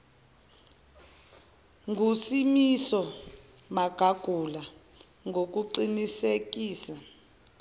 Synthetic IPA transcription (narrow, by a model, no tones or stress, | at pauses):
ŋʱusimisɔ | maɡ̥ʱaɡ̥ʱula | ŋɡok̬uǃinisek̬iːsa